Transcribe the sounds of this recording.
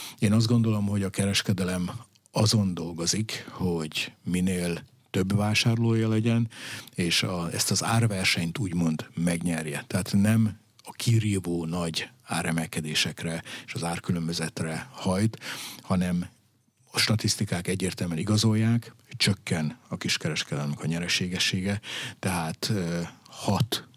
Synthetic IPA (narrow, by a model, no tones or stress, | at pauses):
eːnɒzd̪ɡo̞nd̪o̞lo̞mɦo̞ɟɒkɛɾɛʃkɛd̪ɛlɛm | ɒzo̞nd̪o̞lɡo̞zikho̞ɟmineːl | t̪ø̞bvaːʃaːrloːjɒlɛɟɛneːʃɒɛ̰st̪ɒzaːrvɛrʃɛɲt̪uːɟmo̞nd̪mɛɡɲɛrjɛt̪ɛaːt̪nɛm | ɒkʰiɾiːvoːnɒɟaːɾɛmɛlkɛd̪eːʃɛkrɛeːʃɒzaːrkylømbøzɛt̪rɛhɒjt̪hɒnɛm | ɒʃt̪ɒt̪ist̪ikaːkɛɟːeːrt̪ɛlmɛniɡɒzo̞jːaːk | t͡ʃø̞kːɛnɒkiʃkɛɾɛʃkɛd̪ɛlmɛkɒɲɛɾɛʃeːɡɛʃːeːɡɛt̪ɛɦaːt̪øhɒt̪